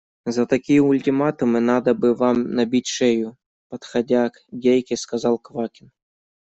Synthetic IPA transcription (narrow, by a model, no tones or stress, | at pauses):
zɐt̪ɐkʲijɛulʲtʲɪmat̪ɨmɨnad̪ɐbɨvamnɐbʲitʲʂɛju | pɐt̪xɐdʲakdʲejkʲɪskazɑlˠkvakʲɪn